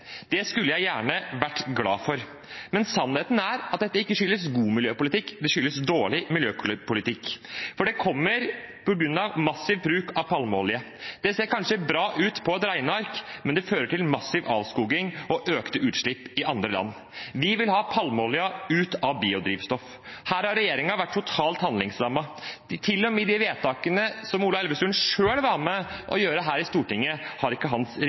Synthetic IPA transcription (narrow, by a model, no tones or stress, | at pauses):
d̪̥ɛskʉlːəjæɪjæːɳəʋæʈɡlɑ̰ːfɔɾ | mɛnsɑnheːt̪n̩æɾɑt̪̚d̪ɛt̪ːəɪkːəʂʏlːəsɡuːmɪljøːpʊlɪt̪ɪkːd̪ɛʂʏlːəsd̪oːɭɪmɪljøːpʊlɪt̪ɪkːfɔɖɛkʰɔmːəɾ | pɔɡɾʉnːɑʋmɑsɪʋbɾʉːkɑʋpʰɑlmoːlɪə | d̪̥ɛseːɾkʰɑnʂəbɾɑːʔʉːt̪pʰɔd̪ɾæɪnɑɾkmɛnd̪ɛføːɾəʈʰɪlmɑsːɪʋɑ̰ːʋskuːɡɪŋɔʔøːkt̪əʔʉːt̪ʂɭɪpːɪʔɑnd̪ɾəlɑ̰nː | ʋɪʋɪlhɑːpʰɑlmoːlɪɑʉːt̪ɑʋbiːʊd̪ɾiːʋst̪ɔf | hæːɾhɑɾɛjeːɾɪŋɑʋæʈ̚ʰːʊt̪ʰɑːlt̪hɑnd̪lɪŋslɑmːɑt̪ʰɪlːɔmɪd̪ɪʋeːt̪ʰɑːkənəsɔmuːlɑɛlʋəsʉːnʂøːlʋɑːɾmɛʔɔ̰jøːɾəɦæːɾɪst̪uːʈɪŋːəhɑɾɪkːəɦɑns